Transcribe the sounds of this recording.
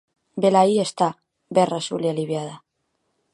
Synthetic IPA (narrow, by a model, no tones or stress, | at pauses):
belaie̞st̪a | berasṵljaliβjað̞a